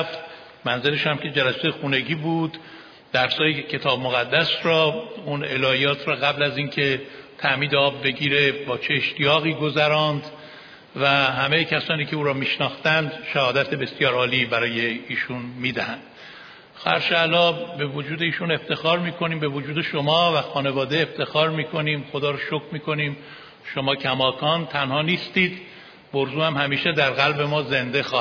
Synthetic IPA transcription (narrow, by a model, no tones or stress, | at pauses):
ft̪ | mænzeleʃæmcʲʰe̞d͡ʒælæsejxune̞ɟiːbuːd̪̥ː | æɾsɒːjecʰe̞t̪ʰɒːbmoɣæd̪ːæsɾɒːunelɒːjɒːt̪ʰrɒːɣæblæziːncʰe̞t̪ʰæʔmiːd̪eɒːbːe̞ɡʲiːɾe̞bɒːt͡ʃʰeːʃt̪ijɒːɣiːɡo̞zæɾɒːnd̪ | væɦæmejecʰæsɒːniːkcʰeuːɾɒːmiːʃnɒːxt̪ænd̪ʃæhɒːd̪æt̪ʰe̞be̞sjɒːɾɒːliːbæɾɒːje̞iːʃunmiːd̪æhænd̪̥ | xæɾʃælɒːbe̞vod͡ʒuːd̪eiːʃune̞ft̪ʰe̞xɒːɾmiːkʰo̞niːmbe̞vod͡ʒuːd̪e̞ʃomɒːvæxɒːne̞vɒːd̪eːft̪ʰe̞xɒːɾmiːkʰo̞niːmxo̞d̪ɒːɾʃokmiːkʰo̞niːm | ʃo̞mɒːcʰæmɒːkʰɒːnt̪ʰænhɒːniːst̪iːd̪ | boɾzuːhæmhæmiːʃed̪æɾɣælbe̞mɒːze̞nd̪e̞xɒːh